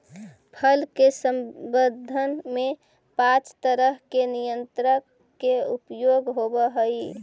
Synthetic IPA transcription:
pʰəlkesəmbəd̪ʱːənme | pãt͡ʃt̪əɾəɦkenijənt̪ɾə | keupjoɡɦobəɦəi

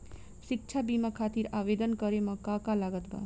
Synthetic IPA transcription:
sik̚t͡ʃʰabimakʰat̪iɾaʋed̪ənkʌɾemʌ̃kakalaɡət̪ba̰

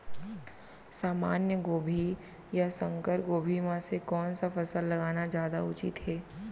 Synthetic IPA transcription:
saːmaːnjəɡoːbʱi | jasə̃ŋkəɾɡoːbʱimãsekɔːnsafɐsəlːɐɡaːnad͡ʒjaːd̪aʊt͡ʃɪ̰t̪ɦɛː

